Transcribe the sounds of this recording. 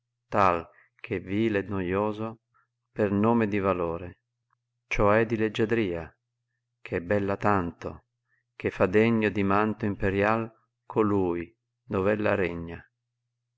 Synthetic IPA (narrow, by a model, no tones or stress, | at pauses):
t̪al | k̟ʰeviːlɛd̪nojoːzo | pernoːmed̪ivaloːɾe | t͡ʃɔɛd̪iled͡ʒːad̪ɾiːa | kʰɛbːɛlːat̪ant̪o | k̟efːad̪ɛɲːod̪imant̪oimpeɾjal | kʰoluːj | d̪ovɛlːaɾɛɲːa